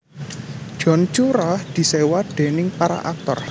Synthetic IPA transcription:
ʒ̥ɔ̤nt͡ʃuɾahd̪̥i̤sewaɖ̪̥e̤nɪŋpaɾa̰ʔak̚t̪ɔ̰r

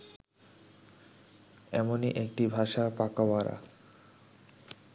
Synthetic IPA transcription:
ɛ̰moniʔek̚ʈibʱaʃapakabaɾa̰

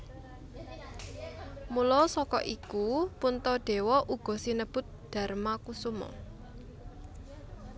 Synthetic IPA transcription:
mulɔsɔkɔ̰ʔikupunt̪ɔɖ̥e̤wɔʔuɡ̥ɔ̤sinəb̥ʊ̤t̪̚ɖ̪̥a̤rmakusumɔ̰

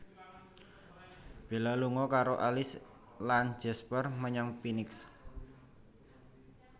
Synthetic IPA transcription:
b̥e̤laluŋɔkaɾoʔalɪs | lan̥d͡ʒ̥ɛspərməɲɔŋpinɪks

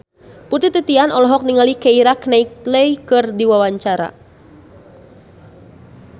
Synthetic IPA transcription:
put̪it̪it̪ianɔlɔɦɔk̚niŋalikeiɾaknaik̚ləjkɨrdiwawaɲt͡ʃaɾa̰

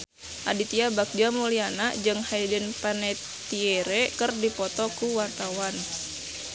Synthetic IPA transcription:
ʔa̰dit̪iabak̚d͡ʒamulianad͡ʒɨŋhaidənpanɛ | t̪iɛɾɛkərdipɔt̪ɔkuwart̪awan

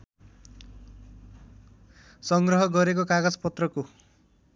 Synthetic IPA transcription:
sʌŋɡrʌɦʌɡʌɾek̬okaɡad͡zpʌt̪rʌko

